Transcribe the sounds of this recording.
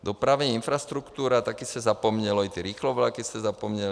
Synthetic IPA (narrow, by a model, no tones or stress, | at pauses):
d̪ɔpɾaʋɲɛinfɾast̪ɾukt̪uːɾat̪akiscɛzapɔmɲɛlɔit̪ɛɾiːxlɔʋlakiscɛzapɔmɲɛl